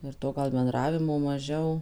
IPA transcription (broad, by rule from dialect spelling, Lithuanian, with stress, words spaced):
ɪr ˈtoː ɡɐlˠ bʲɛnˈdrɑːʋʲɪmoː mɐˈʒʲɛʊ